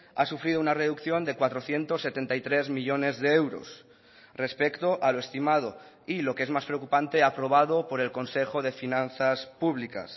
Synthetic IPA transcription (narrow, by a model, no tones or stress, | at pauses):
asufɾið̞ounare̞ðukθjo̞nd̪e̞kwat̪ɾoθje̞nt̪o̞sːe̞t̪e̞nt̪ajt̪ɾe̞zmiʎo̞ne̞zðeewɾo̞̰s | re̞spe̞kt̪o̞ʔaloe̞st̪imað̞o̞ | ilo̞keezmaspɾeokupant̪e̞apɾo̞βað̞o̞po̞ɾe̞lko̞nse̞xo̞ð̞e̞finãnθaspuβlika̰s